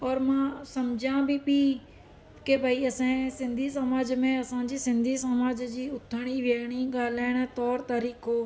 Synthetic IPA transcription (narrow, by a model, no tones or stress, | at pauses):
ɔːɾmãsɐmd͡ʑãbɪbi | kebʱaiɐsẽsɪ̃nd̪ʱis̬ɐmaːd͡ʑmẽɐsãd͡ʑiːsɪ̃nd̪ʱisəmaːd͡ʑd͡ʑiːʊt̪ʰəɽ̃iʋɪəɽ̃iɠaːl̤aːɪɽ̃̆t̪ɔːɾt̪aːɾiːkoː